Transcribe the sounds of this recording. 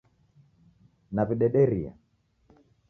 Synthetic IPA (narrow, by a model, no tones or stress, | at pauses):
naviɗɛɗɛɾia̰